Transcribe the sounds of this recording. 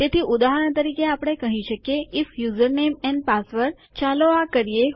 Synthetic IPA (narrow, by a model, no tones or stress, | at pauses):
t̪et̪ʰiʔud̪aɦəɾəɳt̪əɾikeapɽ̃ekəɦĩʃəkjeɪfjuzəɾnemɛ̃npasʋəɾ | t͡ʃaloakəɾije